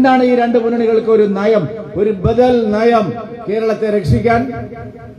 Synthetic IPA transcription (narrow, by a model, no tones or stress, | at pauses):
nd̪aːɳɨiːɾe̞ɳɖɨpunɐɳiɣɐɭkɨo̞ɾunɐjɐmo̞ɾubɐðɐlnɐjɐm | ke̞ːɾɐɭɐt̪ːeɾekʂikʲːaːn